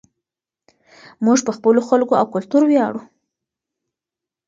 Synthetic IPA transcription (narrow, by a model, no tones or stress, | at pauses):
muʐpəxpəloxalkoawkʊlt̪uɾwjɑɽu